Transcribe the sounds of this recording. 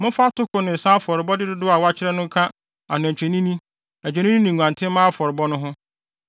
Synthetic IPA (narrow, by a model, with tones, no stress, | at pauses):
mʊ̃˦fa˦tʰʊ˦kʊ˨nɪ̃˨n̩˨sã˦fɔ˨ɾɪ˨bɔ˦dɪ˦dʊ˦dʊ˦a˨wa˦t͡ɕʰɪ˦ɾɛ˦nʊ̃˦kʰã˦ | a̰˨nɪ̃˨æ˨t͡ɕᶣɛ˨nĩ˦nĩ˦ | æ˨t͡ɕᶣɛ˨nĩ˦nĩ˦nɪ̃˨ŋʷ˨ã˨ntʰɪ̃˦mãː˦fɔ˨ɾɪ˨bɔ˦nʊ̃˦ɦʊ̃˦